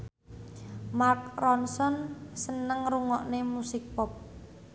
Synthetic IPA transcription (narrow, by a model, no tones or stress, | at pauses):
mark̚rɔnsɔnsənəŋɾuŋɔʔnemusɪk̚pɔp̚